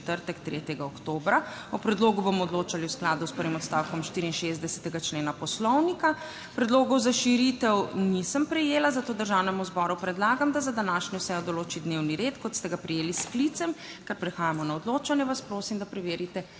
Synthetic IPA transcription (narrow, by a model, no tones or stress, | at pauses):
t̪əɾt̪ɛkt̪ɾeːt̪jɛɡaɔkt̪oːbɾa | ɔpɾɛd̪loːɡubomɔɔd̪loːt͡ʃaliwsklaːd̪uspəɾʋimɔt̪st̪awkɔmʃt̪iɾinʃezd̪ɛsɛ̥t̪ɛɡat͡ʃleːnapɔslɔwnika | pɾɛd̪loːɡɔwzaʃiɾit̪ɛwnisəmpɾɛjeːlazat̪oːd̪əɾʒawnɛmuzbɔɾupɾɛd̪laːɡamd̪azad̪anaʃniwsɛjɔd̪ɔloːt͡ʃid̪newniɾet̪kɔt̪st̪ɛɡapɾijeːlisklit̪sɛm | kaɾpɾɛxaːjamɔnaɔd̪loːt͡ʃanjɛʋaspɾoːsimd̪apɾɛʋeːɾit̪ɛ